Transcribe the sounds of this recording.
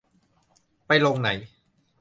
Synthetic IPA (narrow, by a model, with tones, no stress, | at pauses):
pa˧jlo˧ŋna˩˦j